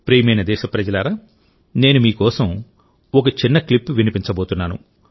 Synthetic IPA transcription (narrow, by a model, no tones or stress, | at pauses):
pɾiːmɐjnɐd̪ɛːʃɐpɾɐd͡ʒɐlaːɾaː | ne̞ːnumiːkɔːsɐm | ɔk̬ɐt͡ʃinːɐklipːʋinipiɲt͡ʃɐboːt̪unːaːnṵ